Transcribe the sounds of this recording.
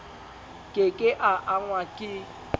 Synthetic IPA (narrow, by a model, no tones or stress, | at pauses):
kʼekʼeʔaʔaŋwakʼɪ